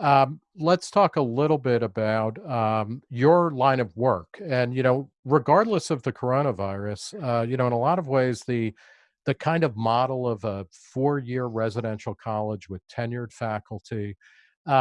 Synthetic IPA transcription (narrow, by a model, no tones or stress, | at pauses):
ʌ | lətstʰɔkəlɪɾl̩ˠbɪɾɨbaʊtʌ̃ə˞lãɪ̃ñʌvwɜ˞kʰɨ̃njɨñoʊ | ɹɨɡɑɹdˡləsʌvðɨkʰə˞õʊ̃ɾ̃əvaɪɹɨsʌjɨnoʊə̃nəlɔɾʌvweɪzðɨ | ðɨkʰãɪ̃ndʌvmɑɾl̩ˠʌvə | fɔɹjɪɹɹɛzɨɾɛ̃nʃl̩ˠkʰɑlˠəd͡ʒwɨð̥tʰɛ̃njə˞d̥fækl̩ˠtʰi